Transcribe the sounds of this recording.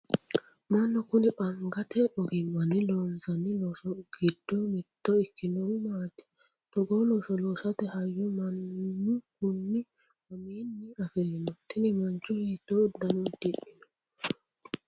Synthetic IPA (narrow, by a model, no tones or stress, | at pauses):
mɐnːɔkʊnɪpʼɐŋɡɐt̪ɛʔɔɡɪmːɐnːɪloːnsɐnːɪloːsɔɡ̥ɪd̪̥ːɔmɪt̪ːɔɪkːɪnɔmaːt̪ɛ̥ | t̪ɔɡoloːsɔloːsɐt̪ɛhɐjːɔmɐnːʊkʊnːɪ | mɐmiːnːɪɐfɛɾɛnɔt̪ɛnɪmɐnt͡ʃːɔheːt̪ːod̪ɐnʊd̪ɪʔɪnɔ̥